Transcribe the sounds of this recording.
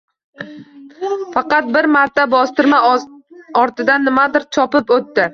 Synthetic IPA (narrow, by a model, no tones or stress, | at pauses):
fɑqɑt̪̚bɪɾmaɾt̪ʰabɒst̪ɪɾma | ɒɾt̪ɪd̪anːɪmad̪ɪɾt͡ʃʰɒpɪpot̪ːɪ